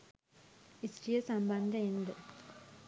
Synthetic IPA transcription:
isʈijɐsɐmbɐnd̪ʱɐend̪ɐ

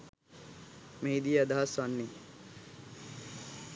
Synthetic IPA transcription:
mejd̪iːɐd̪ʱasanːi

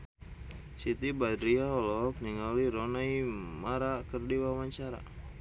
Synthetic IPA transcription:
sit̪ibad̪ɾiaɔlɔkniŋaliɾonajmaɾakərdiwawaɲt͡ʃaɾa̰

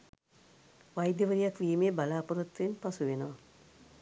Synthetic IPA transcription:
ʋajd̪jɐʋəɾijakʋiːmeːbalaːpuɾut̪ːʋenpasuʋenəʋɐ

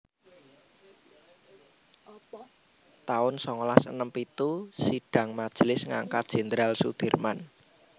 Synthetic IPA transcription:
t̪aʊnsɔŋlasə̰nəmpit̪usiɖ̥ä̤ŋmad̥ʒ̥lɪsŋa̰ŋkat̪̚d̥ʒ̥ɛ̤nd̪ɾalsṵd̪̥e̤rman

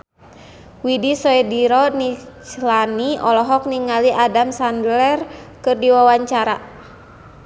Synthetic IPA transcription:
widisɔɛdiɾɔnit͡ʃlaniɔlɔɦɔk̚niŋaliʔadamsandlɛrkɨrdiwawaɲt͡ʃaɾa

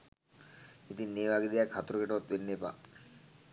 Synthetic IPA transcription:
it̪inːiːʋaɡed̪ijakhat̪uɾukeʈɐʋat̪ʋenːepa̰

